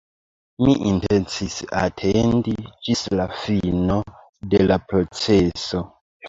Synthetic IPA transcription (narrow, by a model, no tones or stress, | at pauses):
miʔintent͡sisa̰tʰendid͡ʒislafino | delapɾot͡seso